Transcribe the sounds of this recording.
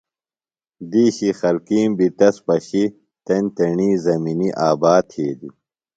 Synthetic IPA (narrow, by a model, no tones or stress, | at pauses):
d̪iːɕixɐlkiːmbit̪ɐspɐɕi | t̪ɐnʲt̪ɐɳiːzɐminiʔaːbaːt̪ʰeːd̪u